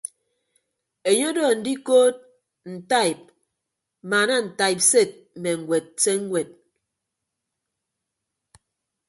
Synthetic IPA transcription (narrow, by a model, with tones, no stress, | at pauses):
e˨ɲo˦dɔː˦˨n̩˨di˦koː˦t̚ | n̩˨ta˦˨i˨p̚ | maː˨na˦n̩˨ta˨i˨p̚se˦˨t̚m̩˨me˨ŋ̩˨ɡʷwe˨t̚se˦ŋ̩˦we˨t̚